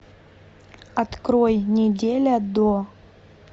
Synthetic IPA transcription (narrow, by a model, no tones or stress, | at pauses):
ɐt̪kɾojnʲɪdʲelʲəd̪o